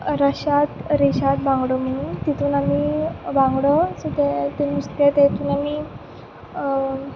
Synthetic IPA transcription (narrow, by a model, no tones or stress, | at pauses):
ɾaɕat̪ɾeɕat̪̚bãŋɡɽom̤əɽ̃unt̪it̪uːnamibãŋɡɽəsut̪et̪eniust̪at̪et̪uːnami